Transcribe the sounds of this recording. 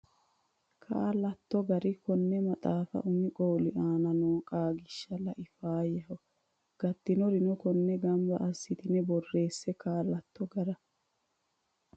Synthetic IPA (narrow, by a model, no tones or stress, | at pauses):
kʰa̰ːlɐt̪ːɔɡɐɾɪkɔnːɛmɐt̪ʼaːfɐ̰ʔʊmɪkʼoːlɪʔaːnɐnoːkʼaːɡɪʃːɐlɐʔɪfaːjɐhɔ | ɡ̥ɐt̪ːɪnɔɾɪnɔkɔnːɛɡɐmbɐ̰ʔɐsːɪt̪ɪnɛbɔrːe̞ːsːɛkaːlɐt̪ːɔɡɐɾɐ